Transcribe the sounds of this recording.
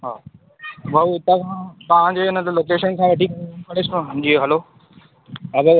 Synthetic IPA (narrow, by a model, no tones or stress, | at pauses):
ɦa̰ː | bʱɐuɪt̪əʋãp̪aʋãd͡ʑeːɪnəloːkeːʃənkãʋeːʈʰikɐɾkɐɽɪsɦd͡ʑiːɦɐloː | ɐɡə